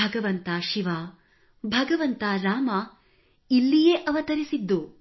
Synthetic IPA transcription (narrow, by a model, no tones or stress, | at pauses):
ɐɡɐʋɐnt̪aːʃiʋaː | bʱɐɡɐʋɐnt̪aːɾaːmɐ | ilːijeʔɐʋɐt̪ɐɾisid̪ːu